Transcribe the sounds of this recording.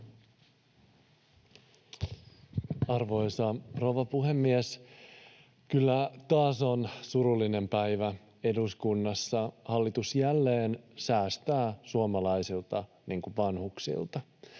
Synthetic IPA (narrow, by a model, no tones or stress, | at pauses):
ɑrʋo̞jsɑpro̞wʋɑpuɦe̞mːies | kylːæt̪ɑːso̞nsuɾulːine̞mpæjʋæ | e̞duskunːɑsːɑhɑlːit̪usjælːe̞ːnsæːst̪æːsuomɑlɑjsilt̪ɑ | niːŋkuʋɑnhuksḭlt̪ɑ